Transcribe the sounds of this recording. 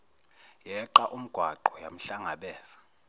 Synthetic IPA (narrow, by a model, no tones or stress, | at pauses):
jɛǃaʔum̩ɡ̥ʱwaǃɔjam̩ɬaŋaɓɛːz̥ḁ